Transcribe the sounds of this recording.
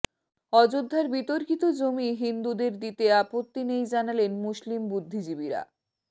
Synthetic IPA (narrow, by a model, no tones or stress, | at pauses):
ɔd͡ʑod̪ʱːaɾbit̪oɾkit̪od͡ʑomiɦind̪ud̪eɾd̪it̪eapot̪ːinejd͡ʑanalenmuʃlimbud̪ʱːid͡ʑibiɾa̰